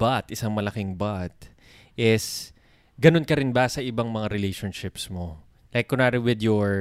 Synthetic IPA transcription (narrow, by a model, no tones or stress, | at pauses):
bat̪ʔɪsaŋmɐlɐkɪŋbat̪̚ | ʔɪs | ɡɐno̞nkɐɾɪnbɐsɐʔɪbaŋmɐŋaɾɪlejʃonʃɪpsmo | lajkːʊnaɾɪwɪd̪jɔɹ